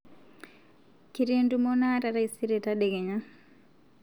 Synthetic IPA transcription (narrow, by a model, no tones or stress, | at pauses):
kiɾendumonataɾaisiɾɛtaɗɛɡɛɲa